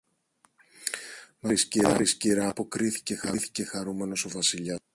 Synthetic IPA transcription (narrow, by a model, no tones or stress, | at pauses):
mɐɾisciɾɐɾisciɾɐːpo̞kɾiθi̥ce̞xɐθi̥ce̞xɐɾume̞no̞so̞vɐsiʎɐ